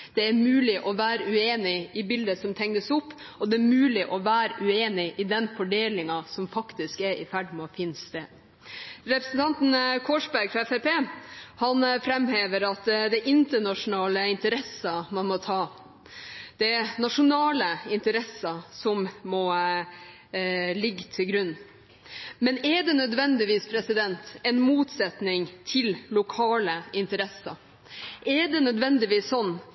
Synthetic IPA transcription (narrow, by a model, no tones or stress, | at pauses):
d̪̥ɛæɾmʉːlɪʔɔʋæːɾəʉeːnɪɪbɪld̪əsɔmt̪ʰɛŋəsʊpːɔd̪ɛːɾmʉːlɪʔɔʋæːɾəʔʉeːnɪʔɪd̪ɛnfɔɖeːlɪŋɑsɔmfɑkt̪ɪskɛɾɪfæɖmɔfiːnst̪eːd̪ | ɾɛpɾəsn̩t̪ʰɑnt̪nkʰoːʂbæɾɡfɾɑɛfɛpʰeːhɑnfɾɛmheːʋəɾɑt̪d̪ɛɪʔɪnt̪əɳɑʂʊnɑːləɪnt̪əɾɛsəmɑnmɔt̪ʰɑː | d̪̥ɛnɑʂʊnɑːləɪnt̪əɾɛsəsɔmmɔ | lɪɡːt̪ʰɪlɡɾʉnː | mɛnɛɖɛnœd̪ʋɛnd̪ɪʋiːspʰɾɛsɪd̪ɛnt̪ɛnmuːt̪sɛt̪nɪŋt̪ʰɪllʊkʰɑːləɪnt̪əɾɛsɑ̰ | ʔɛɖɛnœd̪ʋɛnd̪ɪʋiːssɔnː